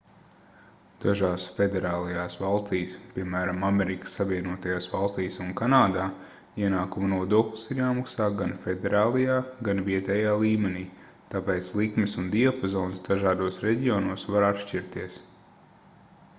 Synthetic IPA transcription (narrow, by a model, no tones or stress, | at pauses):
d̪̥aʒaːsfɛd̪ɛɾaːlˠɐjaːsvalˠst̪iːspʲiɛmæːɾamameɾikə̥sːaviɛnuɔt̪ajaːsvalˠst̪iːsunkanaːd̪aː | iɛnaːkumɐnuɔd̪uɔklʲˠi̥siɾjaːmaksaːɡanfɛd̪ɛɾaːlˠɐjaːɡanviɛt̪ɛːjaːlˠiːmɛniː | t̪apɛːt̪slˠikmisund̪iapɔzɔːnsd̪aʒaːd̪uɔsɾɛɟiɔnuɔsvaɾat̪ʃt͡ʃiɾt̪iɛs